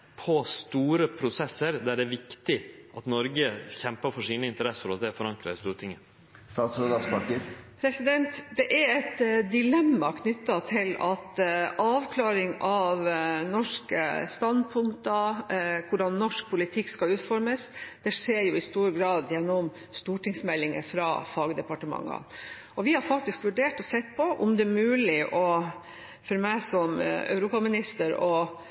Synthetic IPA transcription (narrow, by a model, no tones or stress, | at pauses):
pʰɔst̪uːɾəpʰɾʊsɛsːəɾd̪æɖɛʋɪkt̪ɪʔɑt̪nɔɾɡəçɛmpəfɔʂiːnəɪnt̪əɾɛsəɾɔɛfɔɾɑŋkɾɑ̰st̪uːɾət̪ɪŋːə | st̪ɑːt̪sɾod̪ɑspɑkəɾpʰɾɛsɪd̪ɛnt̪d̪ɛʔæɾɛt̪d̪ɪlɛmːɑkʰnʏt̪ːɑt̪ʰɪlɑt̪ʔɑːʋkʰlɑːɾɪŋɑʋnɔʂkəst̪ɑnd̪̚pʰʊŋkt̪ɑkʰʊɖɑnːɔʂk̚pʰʊlɪt̪ʰɪkːskɑʉːt̪fɔɾməsd̪̥ɛʂeːɾjʊɪst̪uːɾəɡɾɑːd̪jɛnːɔm | st̪uːʈɪŋsmɛlːɪŋə̰fɾɑ̰ːfɑːɡd̪ɛpɑʈəmɑ̰ŋːɑ̰ | ʔɔʋɪhɑɾfɑk̚t̪ɪskʋʉɖeːʈɔsɛt̪ːpʰɔʔɔmd̪ɛmʉːlɪʔɔ | fɔɾmæɪsɔm̰œ̰ʉɾuːpɑmɪnɪst̪əɾɔ